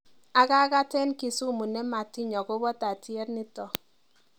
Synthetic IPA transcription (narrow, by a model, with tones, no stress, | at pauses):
a˦ka˦ka˦tɛ˦nki˨su˦˨mu˨nɛ˦ma˨ti˦ɲɔ˨kʊ˦bɔ˦ta˨ti˦ɛ˦ɾnɪ˦tɔ˨